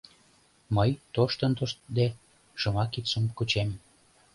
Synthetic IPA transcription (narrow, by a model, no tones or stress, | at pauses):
məjt̪oʃt̪ənt̪oʃd̪e | ʒə̆mɑkit̪sumkut͡ɕem